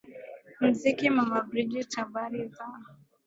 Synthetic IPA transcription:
m̩zikimamabɾid͡ʒitabaɾiza

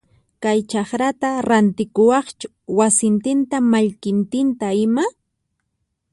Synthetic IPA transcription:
kajt͡ʃɑχɾat̪aɾant̪ɪkʊwɑχt͡ʃʊ̥ | wasɪnt̪ɪnt̪amaʎkɪnt̪ɪnt̪aɪma

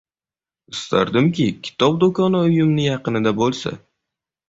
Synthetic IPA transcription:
ɪst̪ʰa̰ɾd̪ɪmkʲʰɪkʲʰɪ̥t̪ʰɒb̚d̪okɒnʊjʊmnɪjɑqɨnɪd̪abolˠsa̰

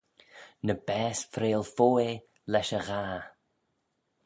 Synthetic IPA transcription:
nəbɛːsfɾeːlˠfoːe | lɛʃəɣaː

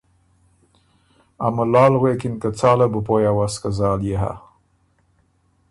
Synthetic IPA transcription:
a̰malɑːlɣwekɪnkat͡sɑːlabupojawaskazɑːljeɦa̰

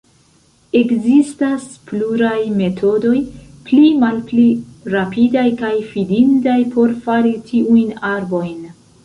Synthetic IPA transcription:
e̞kzistaspluɾajme̞tʰo̞do̞jplimalpliɾapidajkajfidintajpʰo̞ɾfaɾitʰiʔujnaɾbo̞jn

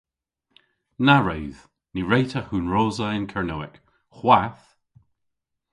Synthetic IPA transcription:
naɹɛɥð̥ | niɹejtʰəhuːnɹoːzəɪnkʰɛɹnowɪk | xwaθ

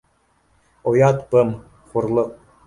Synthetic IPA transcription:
ojɑt̪pɤ̆m | χurlˠɤ̆

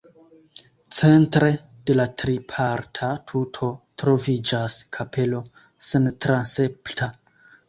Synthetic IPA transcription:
t͡se̞ntɾe̞ | d̥e̞latɾipʰaɾtʰatʰutʰo̞tɾo̞vid͡ʒaskʰapʰe̞lo̞ | sentɾanseptʰa

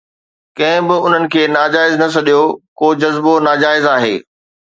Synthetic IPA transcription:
kɐ̃ɦɪ̃bɪʊn̤ənɪ̆kʰeːnaːd͡ʑaːɪznɐsɐɗijokoːd͡ʑɐzbonaːd͡ʑaːɪzaːɦḛː

